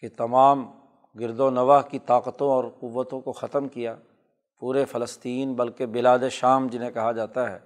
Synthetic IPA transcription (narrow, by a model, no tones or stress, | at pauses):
ket̪ɐmaːm | ɡɪɾd̪onɐʋaːɦkit̪aːqət̪õɔːɾqʊʋːət̪õkoxɐt̪əmkijaː | puːɾefɐləst̪iːnbɐlkebɪlaːd̪eʃaːmd͡ʒɪnɦẽkɐɦad͡ʒaːt̪aɦɛ̰ː